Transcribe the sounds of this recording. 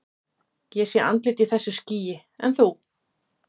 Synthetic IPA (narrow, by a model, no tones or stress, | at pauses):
jɛ̥sjɛɾʔa̰nt̪lɪːt̪iθɛsːʏsciːjɪ | ɛ̰nθuw